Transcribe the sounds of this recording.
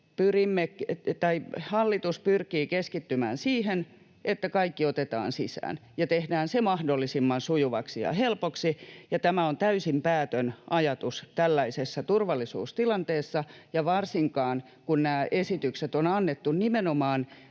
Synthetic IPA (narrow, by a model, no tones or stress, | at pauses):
pyrimːet̪ɑihɑlːit̪uspyrkiːkeskit̪ːymæ̰ːnsiːhen | ʔet̪ːækɑikːiot̪et̪ɑ̰ːnsisæ̰ːnjɑt̪ehdæːnsemɑhdolːisimːɑnsujuʋɑksijɑ̰helpoksijɑt̪æmæont̪æysimpæːt̪ønʔɑjɑt̪ust̪ælːæisesːɑt̪urʋɑlːˑisṵːst̪ilɑnt̪eːsːɑjɑʋɑrsiŋkɑːn | kunnæːʔesit̪ykset̪onɑnːet̪ːunnimenomɑːn